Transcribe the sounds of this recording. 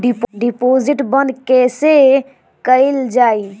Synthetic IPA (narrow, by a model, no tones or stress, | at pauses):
ɖipɖipoziʈbə̃nd̪kɛse | kəɪld͡ʒaːi